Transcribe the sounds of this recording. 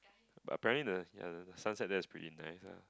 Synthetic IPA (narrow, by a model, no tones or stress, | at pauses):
ba̰təpɛɹə̃ntlidəja̰dədəsãnsɛt̚dɛɪspʰɹḭtinaɪsa̰